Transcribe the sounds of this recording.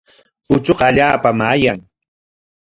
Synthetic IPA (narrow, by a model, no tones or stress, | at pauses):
ʊt͡ʃoqɑaʎaːpamaːjaŋ